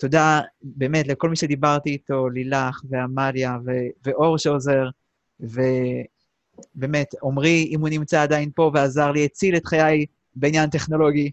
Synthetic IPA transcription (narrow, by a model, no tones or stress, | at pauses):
to̞dabe̞ːmetleko̞lmiʃe̞d̪ibaʁtiːto̞lilaχveamaljaveveʔo̞ʁʃeoze̞ʁ | ve̞ | be̞ːme̞to̞mʁiimhunimt͡saːdainpo̞veazaʁliet͡sile̞tχajaj | beinjante̞χno̞lo̞ɡi